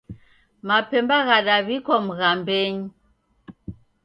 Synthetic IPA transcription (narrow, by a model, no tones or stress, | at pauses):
mapɛmbaɣaɗaβikɔm̩ɣambɛɲi